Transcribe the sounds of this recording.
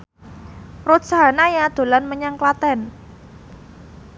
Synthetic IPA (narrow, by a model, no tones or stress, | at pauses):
rosanajad̪̥o̤lanməɲaŋklat̪ɛn